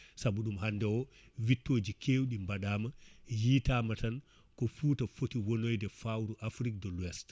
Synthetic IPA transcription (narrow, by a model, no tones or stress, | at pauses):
sabuɗumhandɛwɔ | vitːoːd͡ʒikʰewɗimbaɗaːmajiːtamatan | kɔfuːtafotiwonojdɛfawɾuʔafɾik̚dɔlwɛst